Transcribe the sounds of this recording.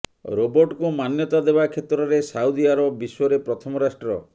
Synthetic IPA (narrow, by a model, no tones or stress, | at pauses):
ɾobɔɾʈkumanjɔt̪ad̪ebakʰet̪ɾɔɾesaud̪iaɾɔbɔːisɔɾepɾɔt̪ʰɔmɔɾasʈɾɔ